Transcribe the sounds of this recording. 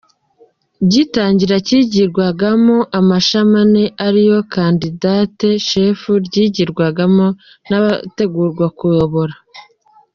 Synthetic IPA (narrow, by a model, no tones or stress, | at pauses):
bɟitaːɲɟiɾaciːɟiɾɡwaɡamoʔamaʃamane̞ʔaɾijo̞kandidaːteʃe̞ːfuɾɟiɟiɾɡwaɡamo̞ | naβate̞ɡuːɾɡwakujo̞βo̞ɾa